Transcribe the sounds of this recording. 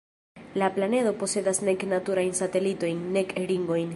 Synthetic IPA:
laplane̞do̞po̞se̞dasne̞knatuɾajnsate̞lito̞jnːe̞kɾiŋɡo̞jn

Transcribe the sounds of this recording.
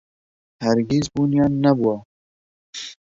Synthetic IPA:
haɾɡizbunjɑːnːabua

